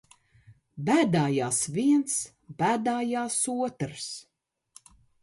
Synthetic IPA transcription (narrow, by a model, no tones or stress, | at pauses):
bæːd̪aːjaːsviɛns | bæːd̪aːjaːsuɔt̪ɾs